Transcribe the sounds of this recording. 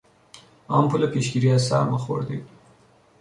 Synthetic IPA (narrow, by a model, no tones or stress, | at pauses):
ɑmpulapeʃɡiɾiasɑ̰ɾməxo̰ɾd̪ḛ